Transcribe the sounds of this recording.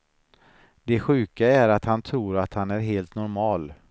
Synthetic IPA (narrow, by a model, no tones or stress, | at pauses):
d̪ɛɧʉ̟ːkaæɾat̪hant̪ʰɾuːɾat̪hanæɾɦeːlt̪nɔɾmɑːl